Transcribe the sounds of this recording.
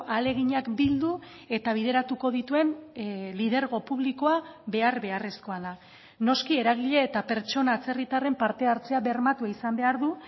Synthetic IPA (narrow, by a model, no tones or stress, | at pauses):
ʔale̞ɣ̞iɲakbild̪u | e̞t̪aβ̞iðe̞ɾat̪uko̞ðit̪ue̞nlið̞e̞ɾɣ̞o̞puβ̞liko̞aβe̞aɾβe̞aresko̞aða | no̞skie̞ɾaɣiʎe̞ːt̪ape̞ɾt͡ʃo̞naːt͡se̞rit̪are̞mpaɾt̪e̞aɾt͡se̞aβe̞ɾmat̪uaisambe̞aɾðu